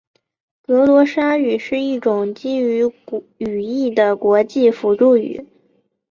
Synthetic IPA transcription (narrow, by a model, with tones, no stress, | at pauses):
kɤ˧˥lwɔ˧˥ʂa˥y˨˩ʂɻ̩˥˧i˥˩ʈ͡ʂʊ˨˩ŋt͡ɕi˥y˧˥y˨˩i˥˩d̪ə˩kwɔ˧˥t͡ɕi˥˩fu˧˥ʈ͡ʂu˥˩y̰˨˩˦